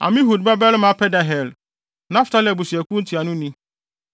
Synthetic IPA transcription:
a̰˨mĩ˦ɦu˨d̚ba˦bɛ˦lmã˦pʰɛ˦da˨ɦɛ˨l | nã˦fta˦lɛ˨bu˨si˨æ˨kũ˦n̩˦tʰi˨a˨nʊ̃˦nĩ˦

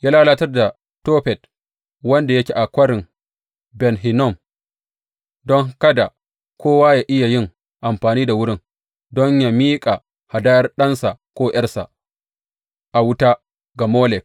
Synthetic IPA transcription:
jaː˦laː˦laː˦tɐ˦rda˨ | toː˦ɸɛ˨t̚ | wɐ˦nda˨ja˦kʲi˨ʔa˨kʷɐ˦ɽɪ˨ŋ | bɛ˨nɦi˨nɔ˦˨m | dɔ˦ŋ˦kɐ˦da˨ | kʷʰoː˦waː˦ja˨ʔɪ˦ja˨jɪ˦ŋ | ʔa˨mɸaː˨niː˦da˨wʊ˦ɽɪ˦ŋ | dɔ˦ɲja˦miː˦kʼa˨ | ha˨daː˦jɐ˦rɗɐ˦nsa˨kʷoː˦j̰ɐ˦rsa̰˨ | ʔa˨wʊ˦ta˦ | ɡa˨moː˦lɛ˨k̚

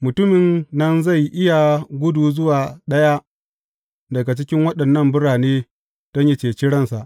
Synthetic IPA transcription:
mʊ˨tʊ˦mɪ˨nːɐ˦nza˦˨jʔɪ˦ja˨ɡʷʊ˦duː˨zʊ˦waː˨ɗɐ˦ja˦ | dɐ˨ɡa˨t͡ʃɪ˦kʲɪ˦ŋwɐ˦ɗɐ˨nːɐ˦mbʊ˦ɽaː˨neː˦ | d̥ɐ˦ɲje˦t͡ʃeː˨t͡ʃi˦ɽɐ˦nsa˨ʔ

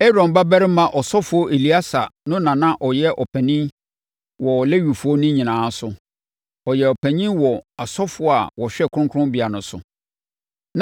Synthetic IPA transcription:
ɛ˦ɾɔ̃˨mba˦bæ˦ɾɪ˦mã˨ʔɔ˨sɔ˦fʊ˨ɔ˦ʔe˨li˨˦a˦sa̰˨nʊ̃˦nã˨nã˦ʔɔ˨jɛ˦ʔɔ˨pʰæ˨nĩ˦n | wɔ˨le˦ɥi˨fu˨o˦nʊ̃˦ɲĩ˨nãː˨˦sʊ˨ | ɔ˨jɛ˨ɔ˨pʰæ̃˨ɲĩ˦nwɔ˨a˨sɔ˦fʊ˨˦ɔ˦a˨wɔ˨ɕᶣɛ˦˨kʰʊ˦ʊ̃˦kʰʊ˦ʊ̃˦mbi˨a˨nʊ̃˨sʊ̰˨ | n

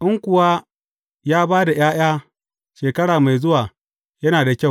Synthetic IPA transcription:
ʔɪ˦ŋkʷʊ˨wa˦ | jaː˦baː˦da˨j̰aː˦j̰aː˦ | ʃeː˨kɐ˦ɽaː˨ma˨jzʊ˦waː˨ | jɐ˦naː˨da˨kʲa˦˨

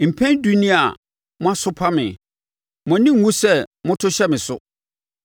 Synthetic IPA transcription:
m̩˨pʰɛ̃˦ndu˦nĩ˦a˨ | mʊ̃˦a˦sʊ˦pʰa˦mɪ̃˨ | mʊ̃˨˦nɪ̃˦ŋ˨wũ˦sɛ˦˨mʊ̃˦tʰʊ˦ɕɛ˦mɪ̃˨sʊ̰˦

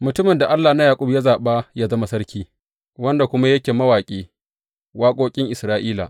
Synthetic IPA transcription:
mʊ˨tʊ˦mɪ˨nda˨ʔa˦lːaː˨na˦jaː˨kʷʼʊ˦bja˦zaː˨ɓaː˦jaː˦zɐ˦ma˨sɐ˦rkʲiː˦ | wɐ˦nda˨kʷʊ˦ma˦jɐ˦kʲeː˨mɐ˦waː˨kʲʼeː˦ | waː˦kʷʼoː˦kʲʼɪ˦ŋʔɪ˨sɾaː˦ʔiː˦la̰˨ʔ

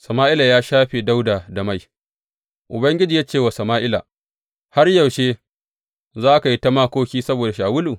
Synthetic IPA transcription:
sɐ˨maː˦ʔɪ˦la˨jaː˦ʃaː˦ɸe˨da˦wdaː˨da˨ma˦˨j | ʔʊ˨bɐ˦ŋɡʲɪ˦d͡ʒiː˨jaː˦t͡ʃeː˦˨wa˨sɐ˨maː˦ʔɪ˦la̰˨ | ha˦rjɐ˨wʃeː˦ | zaː˦ka˨ji˦tɐ˦maː˦kʷoː˦kʲiː˦sɐ˦boː˨da˨ʃaː˨wʊ˦luː˨

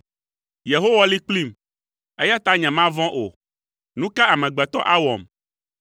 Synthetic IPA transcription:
je˨ɦo˦wa˦li˦k͡pli˦˨m | e˦ja˦t̪a˨˦ɲɛ̃˨mã˦vɔ̃˦ʔo˨ | nũ˦ka˦a˨mɛ̃˨ɡ͡bɛ˨t̪ɔ˦ʔa˦wɔ˨m

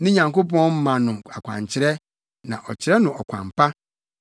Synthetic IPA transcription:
nʊ̃˦ɲã˨ŋko˦pɔ̃˦nm̩˦mã˨nʊ̃˨a˨kʷʰã̰˨ɲt͡ɕʰɪ˦ɾɛ˦ | nã˨ʔɔ˨t͡ɕʰɪ˨ɾɛ˦nʊ̃˨ɔ˨kʷʰã̰˨mpʰa˦

